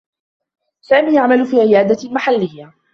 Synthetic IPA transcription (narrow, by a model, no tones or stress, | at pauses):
saːmiːjaʕmalfiːʕɪjaːd̪almaħalːɪjːa